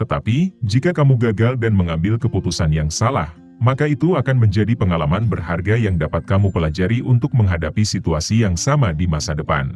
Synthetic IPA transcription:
t̪ət̪apid͡ʒikakamuɡaɡaldanməŋambɪlkəput̪usanjaŋsala̰h | makait̪uakanməɲd͡ʒadipəŋalamanbərɦarɡajaŋdapat̪̚kamupəlad͡ʒaɾiʔunt̪ʊk̚məŋɦadapisit̪uasijaŋsamadimasadəpa̰n

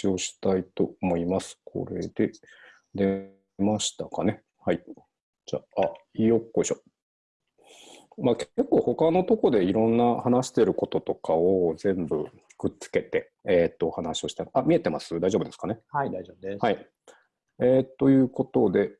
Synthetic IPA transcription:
io̞ɕi̥t̪ait̪o̞omo̞imasɨ̥kʰo̞̰ɾe̞d̪̥e̞ | d̪e̞ | maɕi̥t̪akane̞ | hai | d͡ʑa̰ːaiokːoeɕo | makke̞kːoːho̞kano̞t̪o̞ko̞d̪e̞iɾõ̞nːahanaɕi̥t̪e̞ɾɯ̟ko̞t̪o̞t̪o̞kaozẽ̞mbɯ̟̰ | kɯ̟tt͡sɨ̥ke̞t̪e̞ | et̪ːo̞ːhanaɕio̞ɕi̥t̪aɾiʔamʲie̞t̪e̞masɨd̪aiʑo̞bɯ̟d̪e̞sɨ̥kane̞ad̪aobhai | et̪ːo̞jɯ̟ːko̞t̪o̞d̪e̞

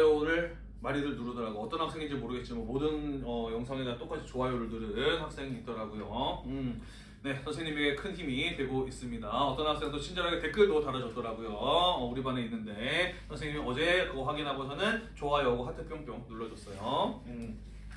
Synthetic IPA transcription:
jʌɾɯɭ | maɾidɯɭnuɾɯdʌɾaɡoʌt͈ʌnhak̚s͈e̞ŋid͡ʑimoɾɯɡe̞t̚t͡ɕ͈imanmodɯnʌjʌŋsʰaŋeɡat͈ok͈at͡ɕʰi̥t͡ɕoajoɯɭdɯɾɯnhak̚s͈e̞ŋiit̚t͈ʌɾaɡujoɯ | ne̞sʰasʰeɲimeɡekʰɯnçimitwe̞ɡois͈ɯmɲidaʌt͈ʌnhak̚s͈e̞ŋt͈ot͡ɕʰind͡ʑʌɾaɡete̞k͈ʰɯɭtotaɾad͡ʑʌt̚t͈ʌɾaɡujoʌuɾibaneinːɯnde̞sʰasʰeŋɲimiʌd͡ʑe̞kɯʌɸwaɡinɦabosʰanɯnt͡ɕoajʌɡuhatʰepʰjoŋp͈joŋnuɭːʌd͡ʑʌs͈ʌjoɯ

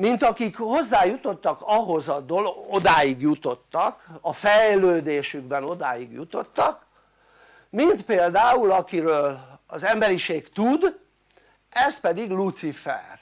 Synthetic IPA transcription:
mint̪ɒkikho̞zːaːjut̪o̞t̪ːɒkɒɦo̞zɒd̪olod̪aːjiɡjut̪o̞t̪ːɒkɒfɛjløːd̪eːʃyɡbɛno̞d̪aːjiɡjut̪o̞t̪ːɒk | mint̪peːld̪aːulɒkiɾøːlɒzɛmbɛɾiʃeːkt̪ud̪ | ɛst̪̚pɛd̪iɡlut̪sifɛ̰r

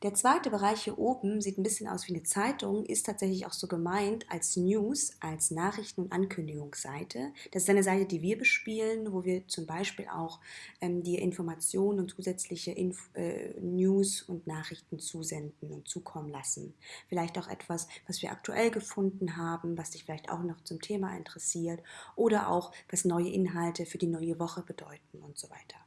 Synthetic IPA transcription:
d̥eːɐt͡sv̥aɪtəbəʁ̞aɪçhiːɐʔoːbm̩ziːtn̩bɪsçənʔa̰ʊsv̥iːnət͡saɪtʰʊŋʔɪstʰaːtz̥ɛçlɪça̰ʊxz̥oːɡəmaɪntʰʔa̰lsnjuːsʔalsnaːχʁɪçtn̩ʊntʔankʰʏndɪɡʊŋsz̥a̰ɪtʰəd̥asɪstʔaɪnəzaɪtədiːviːɐbəʃpiːlənvoːviːɐt͡sʊmbaɪʃpiːlʔa̰ʊxʔɛːmdiːɐʔɪnfɔɐmat͡sjoːnənʊntt͡suːzɛt͡slɪçəʔɪnfʔɛ̰ːnjuːsʊntnaːχʁɪçtn̩t͡suːzɛndn̩ʊntt͡suːkʰɔmənlasn̩fɪlaɪçtaʊxʔɛ̰tv̥asv̥asv̥iːɐʔa̰k̚tʰuʔɛlɡəfʊndn̩ɦaːbm̩vasd̥ɪçfɪlaɪçta̰ʊxnɔχt͡sʊmtʰeːmaʔɪ̰ntəʁɛsiːɐtʔoːɾɐʔa̰ʊxv̥asnɔʏəʔɪnɦaltəfyːɐdiːnɔʏəvɔχəbədɔʏtn̩ʊntz̥oːva̰ɪtʰɐ̥

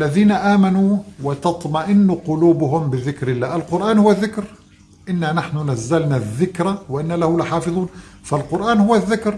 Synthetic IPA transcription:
ʔlːaðiːnaʔaːmanuːwɪt̪ɑt̪ˤmaʔɪnːuqʊluːbʊɦʊmbɪðɪkɾɪlːaːʔɪlqʊɾʔaːnhʊwːaðːɪkɾ | ʔɪnːanaħnʊnazːalnaðːɪkɾawɪʔɪnːalahʊlɪħɑːfɨðˤuːnfalqʊɾʔaːnhʊwːaðːɪkɾ

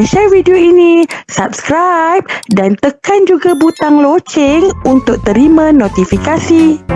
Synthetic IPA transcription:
ʃɛrvidioinĩsap̚skɾajp̚dant̪əkand͡ʒuɡabut̪aŋlot͡ʃɛŋunt̪ʊk̚t̪əɾimãnot̪ifikasi

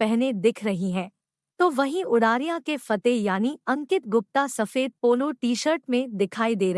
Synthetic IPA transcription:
pɛɦned̪ɪkʰɾɐɦiɦɛ̃ː | t̪oːʋɐɦĩʔʊɽaːɾijãkefɐt̪ejaːniɐ̃ŋkɪt̪̚ɡʊp̚t̪asɐfeːd̪̚poːloʈiːʃəɾʈmẽd̪ɪkʰaːid̪eːɾɐ

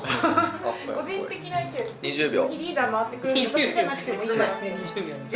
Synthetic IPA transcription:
ko̞d͡ʑĩe̞kʲinaik̪eɲiʑɨːbʲjo̰ɡʲiɾʲiːd̪aːmaβat̪ːe̞kɯɾɯt̪anakɯ̥t̪emoinaasẽɲid͡ʑɨːbʲjo

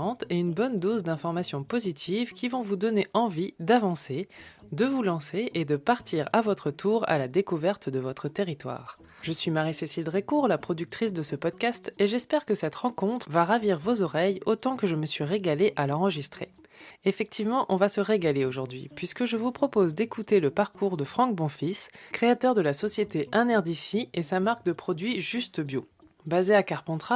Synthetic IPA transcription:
ɑ̃t̪eynbɔnd̪ozd̪ɛ̃fɔʁmasjɔ̃pozit̪ʰivkʲivɔ̃vud̪ɔneʔɑ̃vid̪avɑ̃se | d̪əvulɑ̃seʔed̪əpaʁt̪ʰiʁa̰vɔt̪χət̪ʰuʁa̰lad̪ekuvɛʁt̪d̪əvɔt̪χət̪eʁit̪wa̰ːʁ | ʒəsɥimaʁisesild̪ʁekuʁlapχɔd̪yk̚t̪χisd̪əsəpɔd̪̚kʲast̪eʒɛspɛʁkəsɛt̪ʁɑ̃kɔ̃t̪χəvaʁaviʁvozɔʁɛjot̪ɑ̃kəʒəməsɥiʁeɡaleʔalɑ̃ʁəʒist̪χe | efɛk̚t̪ʰivmɑ̃ʔɔ̃vasəʁeɡaleoʒuʁd̪ɥipɥiskəʒəvupχɔpozd̪ekut̪eləpaʁkuʁd̪əfχɑ̃k̚bɔ̃fiskχeat̪œʁd̪əlasɔsjet̪eʔɛ̃nɛʁd̪isiesamaʁk̚d̪əpχɔd̪ɥiʒyst̪bjo | bazeakaʁpɑ̃t̪χa

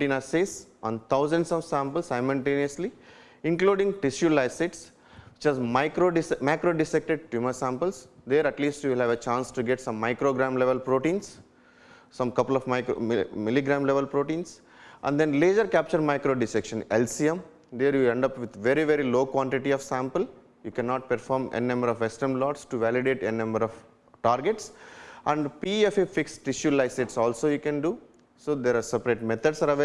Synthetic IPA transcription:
ʈĩnaseːsɔ̰̃ːnt̪ʰaʊzə̃ɳɖsɔʋsãmpəlsːaɪmʊlʈẽːniəsli | ɪ̃ŋkluːɖĩŋʈɪsjulaɪsɪʈs | ʋit͡ʃɛzmaɪkɾoɖismaɪkɾoːɖɪsek̚ʈeɖ̚ʈjuməsãːmpəlsd̪eːɾɐʈliːsʈjuʋɪlhæʋət͡ʃãːnsʈuɡeʈsʌ̃mːaɪkɾoːɡɾãːmleʋəlpɾoːʈĩːns | sʌ̃mkʌpəlɔʋmaɪkomɪliɡɾãːmleʋəlpɾoːʈĩːns | ʔæ̰̃ɳɖd̪ẽnleːd͡ʒəɾkæp̚t͡ʃəɾmaɪkɾoːɖɪsekʃə̃nelsiẽm | d̪eːɾjuɛ̃ɳɖʌpʋɪd̪ʋeɾiʋeɾiloːkʋɔ̃ɳʈiʈiɔʋsæ̃mpəl | jukɛnɔːʈ̚pəɾfɔːɾmḛninɐ̃mbəɾɔʋʋesʈəɾmlɔːʈsʈuʋæliɖeːʈennɐ̃mbəɾɔʋ | ʈaːɾɡeʈsæ̃ɳɖpiːefifiksʈɪʃjulaɪseʈsɔːlsoːjukɛ̃nɖu | soːd̪eɾaːɾsepɾeːʈmɛt̪ʰəɖsaɾʋ

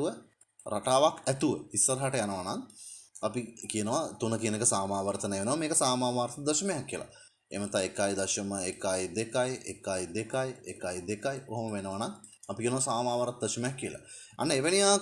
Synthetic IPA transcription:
uʋə | ɾʔa̰ʈaːʋakɛt̪uʋəisːɐɾəɦaʈəjanəʋanaŋɐpikijənəʋat̪unəkijənekəsaːmaːʋəɾt̪əneʋenəʋameːkəsaːmaːmaːɾt̪əd̪ɐʃmejakːijəlʔa̰ | ḛmət̪aekaːjd̪ɐʃəməekaːjd̪ekajʔḛkaːjd̪ekajḛkaːjd̪ekajoɦoməʋenəʋanaŋɐpikijənəʋasaːmaːʋaɾt̪d̪ɐʃəmejakːijəlʔa̰ | a̰nːəeʋenijaː

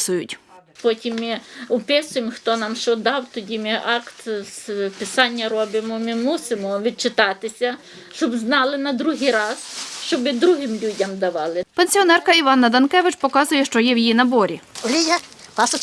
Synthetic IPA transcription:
sʊjʊtʲpɔtʲimːɪʊpɪsʊjemxt̪ɔnɑmʃt͡ʃɔd̪ɑwt̪ɔdʲimɪʔɑkt̪spɪsɑnʲːɐɾɔbɪmɔmɪmusɪmɔʋʲid̪̚t͡ʃɪt̪ɑt̪ɪsʲɐ | ʃt͡ʃɔbznɑlˠɪnɐd̪ɾuɦɪjɾɑsʃt͡ʃɔbɪd̪ɾuɦɪmlʲudʲɐmd̪ɐʋɑlˠɪpenʲsʲiɔnɛrkɐiʋɑnːɐd̪ɐnkɛʋɪt͡ʃpɔkɑzʊjɛʃt͡ʃɔjɛwjijinɐbɔɾʲiɔlʲijapɑsɔ

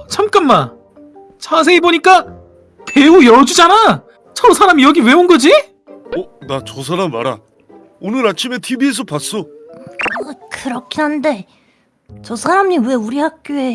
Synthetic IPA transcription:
t͡ɕʰamk͈anma | t͡ɕʰas̬ʰe̞iboɲik͈a | teujʌd͡ʑud͡ʑana | t͡ɕʌsʰaɾamijʌɡiwe̞onɡʌd͡ʑi | ʌnat͡ɕʌs̬ʰaɾamːa̰ɾa̰ | onɯɾat͡ɕʰime̞tʰibies̬ʰʌpas͈ʌ | kɯɾʌkʰiɦande̞ | t͡ɕʌsʰaɾamɲiwe̞uɾihak̚k͈joe

